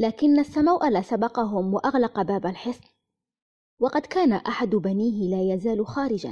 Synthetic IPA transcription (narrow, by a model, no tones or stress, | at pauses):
laːkɪnːasːamawʔalaːsabɑqɑɦʊmwaʔaɣlɑqɑbaːbalħɪsˤ | wɑqɑd̪kaːnaʔaħad̪ʊbaniːɦɪlaːjazaːlxaːɾɪd͡ʒa̰n